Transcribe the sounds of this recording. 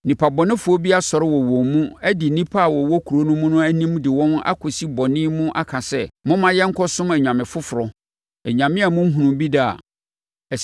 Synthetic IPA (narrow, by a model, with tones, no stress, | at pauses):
nĩ˨pʰa˨bɔ˨nɪ̃˦fʊ˨o˦bi˦a˦sɔ˨ɾɪ˦wɔ˨wɔ̃˨mũ˦ɛ˦dɪ˨nĩ˦pʰa˦˨wɔ˨wɔ˦kʰu˨ɾo˦nʊ̃˦mũ˦nʊ̃˦æ˦nĩ˦mdɪ˨wɔ̃˦na̰˦kʰʊ˨si˦bɔ˨nɪ̃˦mũ˦ʔa˦kʰã˨sɛ˦˨mʊ̃˦mã˦jɛ˦ŋ̩˦kʰɔ˦sʊ̃˦mɛ˨ɲᶣ˨ã˨mɪ̃˨fʊ˦fʊ˨ɾɔ˨ | ɛ˨ɲã˨mɪ̃˦a˨mʊ̃˦m̩˦ɦũ˨nũ˨mbi˦da˦˨a̰˨ | ɛ˨